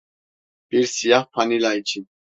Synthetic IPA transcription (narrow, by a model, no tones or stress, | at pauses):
b̥iɾsijaχpʰanilait͡ʃʰi